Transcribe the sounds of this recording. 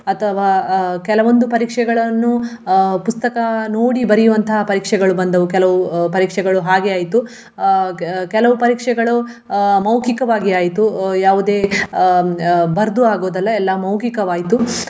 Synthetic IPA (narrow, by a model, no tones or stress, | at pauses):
ɐt̪ʰɐʋaːkɛlɐʋo̞nd̪upɐɾiːkʂɛɡɐɭɐnːu | pust̪ɐkɐnoːɽibɐɾijuʋɐnt̪ʰɐɦɐpɐɾiːkʂɛɡɐɭubɐnd̪ɐʋukɛlɐʋupɐɾiːkʂɛɡɐɭuɦaːɡeaːjit̪u | kɛlɐʋupɐɾiːkʂɛɡɐɭu | mɐwkikɐʋaːɡiaːjit̪ujaːʋud̪e̞ː | bɐɾd̪uaːɡoːd̪ɐlːɐɛlːɐmɐwkikɐʋaːjit̪u